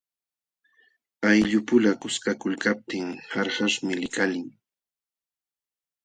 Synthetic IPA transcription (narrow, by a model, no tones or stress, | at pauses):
ajʎʊpʊlakʊskakʊlkap̚t̪ɪŋhaɾhaʃmɪlɪkalɪŋ